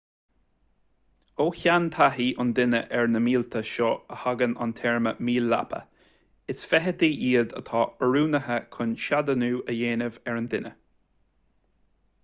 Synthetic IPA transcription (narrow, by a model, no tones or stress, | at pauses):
oːçant̪ʰaɦiːʔʊnd̪ɪnəʔɛɹnəmiːlt̪ʰəʃɔəhaɡəna̰nt̪ʰɛɹməmiːlːa̰pʰə̰ | ɪsfɛɦəd̪iːʔiːəd̪ə̰t̪ʰɑːəɹuːnəɦəkʰʊnʃad̪ənuːʔəjeːnɪvɛɹənd̪ɪnə